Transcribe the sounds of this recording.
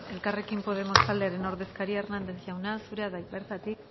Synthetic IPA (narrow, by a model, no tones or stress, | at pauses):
e̞lkare̞kimpo̞ð̞e̞mo̞st̪ald̪e̞aɾe̞no̞ɾðe̞skaɾiaernand̪e̞sʝawnasuɾeaðabe̞ɾt̪at̪ik